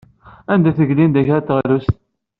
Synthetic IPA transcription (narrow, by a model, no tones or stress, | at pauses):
ænd̪æθəʝlind̪æçæɾt̪ːʁɾust̪